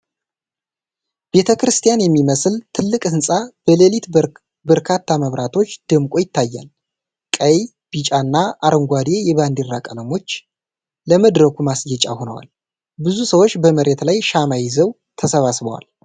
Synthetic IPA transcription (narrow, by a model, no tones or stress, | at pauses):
b̥e̞t̪ʰəkɾɨst̪ʰijanjɛmːiməslt̪ʰɨlːɨkʼhɨnsʼab̥əlelit̪ | bəɾkʰat̪ʰːaməβɾʔat̪ʰo̞t͡ʃːd̪̥ɨmkʷʼo̞jɪt̪ʰːajːa̰l | kʼəj | b̥it͡ʃʼanːaʔaɾəŋɡʷad̪ejɛβand̪irːakʼələmo̞t͡ʃː | əməd̪ɾəkʰumasjɛt͡ʃʼa̰ho̞nə̰wa̰l | bɨzusəwo̞t͡ʃːbəməɾe̞t̪lajʃamajɪzəw | t̪ʰəsəβasbəwa̰l